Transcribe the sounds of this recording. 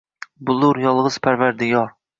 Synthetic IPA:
bulˠuɾjɑlˠʁəz̥pʰæɾvæɾd̪ɪɡɑɾ

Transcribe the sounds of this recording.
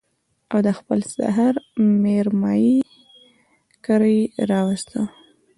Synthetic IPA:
awd̪əxpəlsa̰ɦaɾmeɾmɑji | kəɾəjɾɑwast̪ə

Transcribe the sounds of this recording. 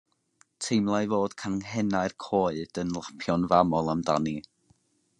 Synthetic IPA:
tʰejmlˠajvoːd̥kʰanŋɦɛnaɨrkʰoːɨd̥ənlˠapʰjɔnvamɔlˠamdani

